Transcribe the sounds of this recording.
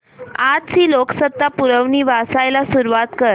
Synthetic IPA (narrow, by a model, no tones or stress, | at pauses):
ad͡zsiːloksət̪ːapuɾəʋniːʋasajlasuɾuʋat̪kəɾ